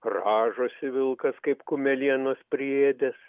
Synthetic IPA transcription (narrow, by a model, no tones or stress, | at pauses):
rɑːʒoːsʲɪʋʲɪlˠkɐskɐɪpkʊmʲɛlʲiɛnoːspʲrʲɪeːd̪ʲes